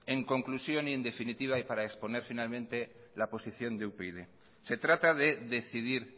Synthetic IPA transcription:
e̞ŋko̞ŋklusjo̞nie̞nd̪e̞finit̪iβ̞aipaɾaekspo̞ne̞ɾfinalmẽnt̪e̞ | lapo̞siθjo̞nd̪eupeiðe | se̞t̪ɾat̪aðe̞ðe̞θiðiɾ

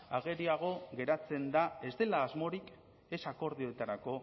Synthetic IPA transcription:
aɣe̞ɾiaɣ̞o̞ɣe̞ɾat͡se̞nd̪ae̞zd̪e̞laːzmo̞ɾik | e̞sako̞ɾð̞io̞t̪aɾako̞

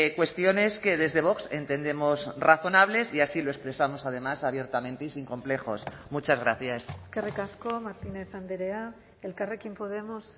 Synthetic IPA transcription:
kwe̞st̪jo̞ne̞ske̞ðe̞zðe̞β̞o̞kse̞nt̪e̞nd̪e̞mo̞sraθo̞naβle̞siasilo̞e̞kspɾe̞samo̞sað̞e̞masaβ̞je̞ɾt̪amẽ̞nt̪eisiŋkõ̞mple̞xo̞̰smut͡ʃazɣɾaθjaseske̞rikaskomaɾt̪ine̞θand̪eɾea | elkare̞kimpoð̞e̞mos

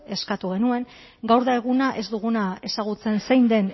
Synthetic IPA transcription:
e̞skat̪uɣ̞e̞nue̞ŋ | ɡawɾðaeɣunaʔe̞zd̪uɣ̞unae̞saɣ̞ut͡se̞nsejnd̪e̞n

